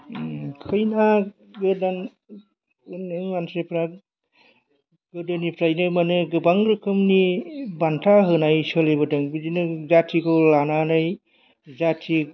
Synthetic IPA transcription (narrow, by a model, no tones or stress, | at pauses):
kʰɯjna | ɡɯdan | ɯneŋmansepʰɾa | ɡ̥ɯdɯnipʰɾajnɯmanɯɡɯbaŋɾɯkʰɯmnibantʰaɦɯnajsɯlebɯdɯŋbɯdinɯzatʰikʰɔlananaj | zatʰi